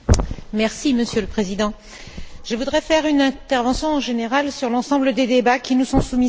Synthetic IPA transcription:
mɛʁsiməsjøləpχezid̪ɑ̃ | ʒ̥əvud̪ʁɛfɛʁynɛ̃t̪ɛʁvɑ̃sjɔ̃ʒeneʁalsyʁlɑ̃sɑ̃bləd̪ed̪ebakʲinusɔ̃sumi

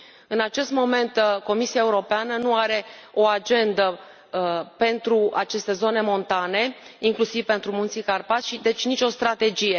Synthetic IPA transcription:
ɨnat͡ʃe̞st̪mo̞me̞nt̪ko̞misiae̞uɾo̞peanənuaɾe̞o̞ad͡ʒe̞nd̪ə | pe̞nt̪ɾuat͡ʃe̞st̪e̞zo̞ne̞mo̞nt̪ane̞iŋklusivpe̞nt̪ɾumunt̪sikarpasʲʃid̪e̞t͡ʃʲnit͡ʃʲo̞st̪ɾat̪e̞d͡ʒije̞

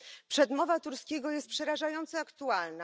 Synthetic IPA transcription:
pʂɛd̪mɔvat̪uɾskʲeɡɔjɛst̪̚pʂɛɾaʐajɔnt̪sɛakt̪ualna

